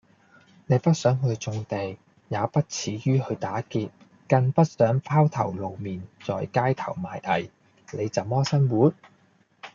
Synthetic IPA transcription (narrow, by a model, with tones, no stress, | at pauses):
ne˨˧jpɐ˥t̚sœː˨˥ŋɦɵ˧ɥt͡sʊ˧ŋt̪e˨j | jaː˨˧pɐ˥t̚t͡sʰiː˨˥jyː˥ɦɵ˨˧ɥt̪aː˨˥kiː˧t̚ | kɐ˧ŋpɐ˥t̚sœː˨˥ŋfʰaː˥wt̪ʰɐ̰˨˩wlo˨wmiː˨nt͡sɔː˨jkaː˥jt̪ʰɐ˨˩wmaː˨jʔɐ̰˨˩j | le˨˧jt͡sɐ˨wmɔː˥sɐ˥nwuː˨˥n̚